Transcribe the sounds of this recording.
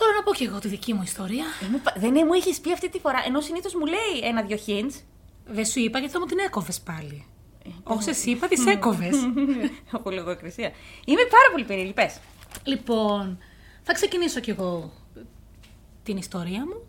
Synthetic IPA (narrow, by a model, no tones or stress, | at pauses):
θoɾonɐpoce̞ɣo̞t̪iðicimuist̪o̞ɾiɐemupðenemueçispiɐft̪it̪ifo̞ɾɐʔe̞no̞siniθo̞zmule̞ienɐðʝo̞çins | ðesuipɐceθɐmut̪ine̞ko̞vespɐli | osesipɐt̪ise̞ko̞ves | opoleɣoekɾisiɐimepɐɾɐpo̞lipeɾieɾʝipes | lipo̞n | θɐkse̞ciniso̞ce̞ɣo̞ | t̪inist̪o̞ɾiɐmu